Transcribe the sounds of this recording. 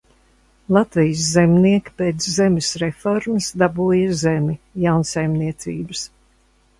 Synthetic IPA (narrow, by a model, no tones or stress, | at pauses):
lˠat̪vijəszɛmʲniɛki̥peːt̪szɛmʲɪsɾefɔɾmɐsd̪abuːjɐzemʲijawnsajmniɛt̪sḭːbɨs